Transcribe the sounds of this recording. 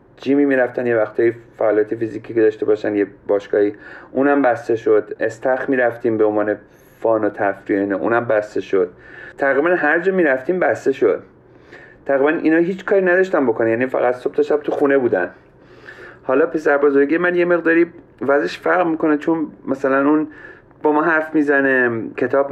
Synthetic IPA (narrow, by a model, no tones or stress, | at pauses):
d͡ʒiːmiːmiːɾæft̪ænjevæxt̪ʰɒːjifæːljɒːt̪ʰefiziːkʰiːked̪ɒːʃt̪e̞bɒːʃænjebɒːʃkɒːhiːʔuːnæmbæst̪e̞ʃo̞d̪̥est̪ʰæxmiːɾæft̪iːmbeonvɒːne̞ | fɒːnot̪ʰæfɾieiːnɒʔṵːnæmbæst̪e̞ʃod̪̥̚t̪ʰːæɣibænhæɾd͡ʒɒːmiːɾæft̪iːmbæst̪e̞ʃod̪̥̚ | t̪ʰːæɣibænʔḭnɒːɦiːt͡ʃʰkʰɒːɾinæd̪ɒʃt̪ænbo̞kʰonænjænifæ̰ɣæt̪so̞b̥̚t̪ʰeʃæb̥̚t̪ʰuxuːnebuːd̪æn | hɒːlɒːpʰe̞sæɾbɒːzoɾɡiemænje̞me̞ɣd̪ɒːɾiː | væzeʃfæɾʁmiːko̞net͡ʃʰonmæsælænun | b̥ɒmɒːɦæɾfmiːzænekʰe̞t̪ʰɒːb